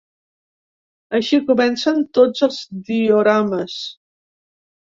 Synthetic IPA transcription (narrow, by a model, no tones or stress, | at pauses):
əʃikumɛnsənt̪od͡zəlˠzd̪ioɾaməs